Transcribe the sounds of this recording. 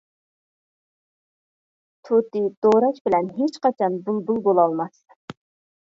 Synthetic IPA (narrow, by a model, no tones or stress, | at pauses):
t̪ʰut̪ɨd̪̥oɾɑkbɪlɛnɦet͡ʃqɑt͡ʃʰɑnbulˠbulˠbolˠɑlˠmɑs